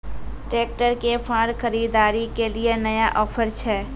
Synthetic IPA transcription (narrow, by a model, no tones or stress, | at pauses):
ʈɾeːk̚ʈəɾkepʰãːɾxəɾiːd̪aːɾikelienəjaʔɔːpʰəɾt͡ʃʰɛː